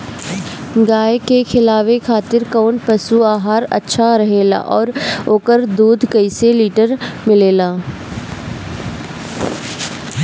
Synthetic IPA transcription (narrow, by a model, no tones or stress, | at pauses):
ɡaːjkekʰɪlaːʋekʰaːt̪ɪɾkaʊɳʈpɐsuaːɦaːɾɐ̰tːʃʰaɾɐɦeːla̰ʔɔːɾoːkəɾd̪uːd̪ʱkɐiseliːʈəɾmɪleːlaː